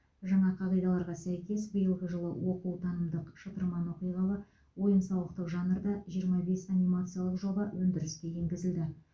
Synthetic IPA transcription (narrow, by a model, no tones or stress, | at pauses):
ʒɑɴɑqʰɑʁijd̪ɑlˠɑɾʁɑsæjkʲe̞sbijəlˠɡʲɪʒəlˠəwʔo̞qəwt̪ʰɑnəmd̪əqʃət̪əɾmɑnwo̞qijʁɑlˠɑ | wo̞jəmsɑwlˠəq̚t̪əqʒɑnəɾd̪ɑʒijəɾmɑbe̞sanʲimat̪sɨjalˠəqʒo̞bɑwʔɵnd̪ɪɾɪskʲe̞je̞ŋɡʲɪzɪld̪ɪ